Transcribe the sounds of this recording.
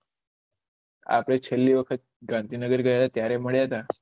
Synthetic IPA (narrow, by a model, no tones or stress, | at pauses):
a̰plet͡ɕʰəlːiːʋəkʰət̪̚ɡãnt̪iːnəɡəɾɡəɭjalat̪jaɾem̤əɽjat̪a